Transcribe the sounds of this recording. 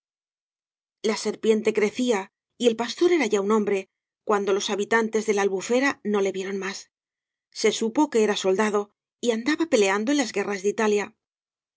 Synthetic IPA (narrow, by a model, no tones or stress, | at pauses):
lase̞ɾpje̞nt̪e̞kɾe̞θia | ie̞lpast̪o̞ɾe̞ɾaʝaunõ̞mbɾe̞ | kwand̪o̞lo̞saβit̪ant̪e̞zðe̞laːlβufe̞ɾano̞le̞βje̞ɾo̞nmas | se̞supo̞ke̞eɾaso̞ld̪aðo̞ | iand̪aβape̞le̞and̪o̞enlazɣe̞razðit̪alja